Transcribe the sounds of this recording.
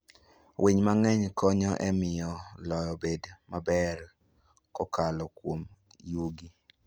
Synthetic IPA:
wʔiɲmaŋɛɲkɔɲɔʔɛmɪjɔlɔjɔbedmabɛr | kɔkalɔkwom | juɡi

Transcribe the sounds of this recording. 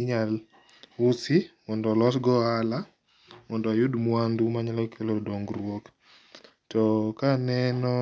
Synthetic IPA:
ɲal | ʊsɪmɔndɔlɔsɡɔala | mɔndɔjʊdmwandumaɲalɔkʰelodɔŋɡɾwok | tɔkanɛnɔ

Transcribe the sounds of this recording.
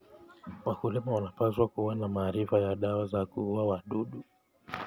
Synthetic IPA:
wakulimawanapaswakuwanamaːɾifajaɗawazakuuawaɗuɗu

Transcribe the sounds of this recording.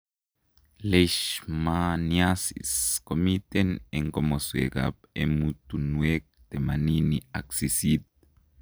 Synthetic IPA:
leʃmanjasḭskomit̪eneŋkomoswḛka̰p̚emut̪unwek̚t̪emaninia̰ksisit̪̚

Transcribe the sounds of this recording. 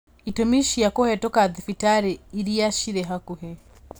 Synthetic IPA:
itɔmiʃijakɔhɛtɔkaðifitaɾɛiɾijaʃiɾɛɦakuɦɛ

